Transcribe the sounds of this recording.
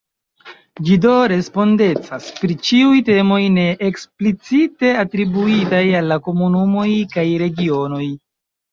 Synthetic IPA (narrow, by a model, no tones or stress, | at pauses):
d͡ʒido̞ɾe̞spo̞nde̞t͡saspɾit͡ʃiujte̞mo̞jne̞ʔeksplit͡site̞atɾibuitajalːako̞munumo̞jkajɾe̞ɡio̞no̞j